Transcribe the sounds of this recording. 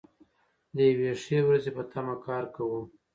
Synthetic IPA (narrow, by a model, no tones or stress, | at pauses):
d̪əjaweʂewɾazepət̪ʰamakɑɾkawu